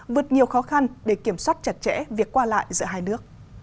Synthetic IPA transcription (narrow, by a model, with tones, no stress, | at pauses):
vɨ˨˩ət̚ɲi˨˩əwxɔ˨˦xa˧nɗe˧˩ki˧˩əmswaː˦˥t̚t͡ɕə˨˩t̚t͡ɕɛ̰˧˥vi˨˩əkːwaː˧la̰ː˧˨jzɨ̰˧əɦaː˧jnɨ˦˥ək̚